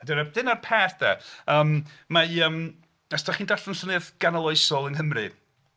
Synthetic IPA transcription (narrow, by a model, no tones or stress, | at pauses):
adɛɾad̥ɪnarpʰɛːθd̥ɛ̰əːmmajəm | asd̥ʰaχiːndaɬənɬɔnɨðɡ̥analˠɔjsɔlˠənhəmrɨ̰